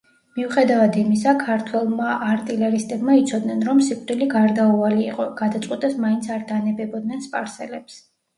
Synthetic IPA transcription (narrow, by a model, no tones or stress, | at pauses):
miuχɛd̪avad̪imis̬akʰaɾt̪ʰwɛlˠmaʔːɾt̪ʼilɛɾist̪ʼɛbmait̪sʰɔd̪nɛnɾɔmsikʼɾiliɡaɾd̪auvaliːqʼɔɡ̥ad̪at̪sʼqʼwit̪ʼɛsmaint̪sʰaɾd̪anɛbɛbɔd̪̚nɛnspʼaɾsɛlɛps